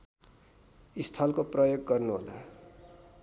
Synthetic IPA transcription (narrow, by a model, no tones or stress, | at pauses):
ist̪ʰʌlkoprʌjoɡːʌrnuɦo̰la